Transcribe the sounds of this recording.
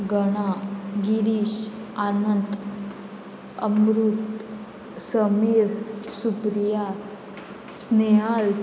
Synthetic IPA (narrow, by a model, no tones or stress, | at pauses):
ɡəɽ̃aɡiɾiʃanənt̪ | əmɾut̪ | səmiɾsupɾija | sneɦal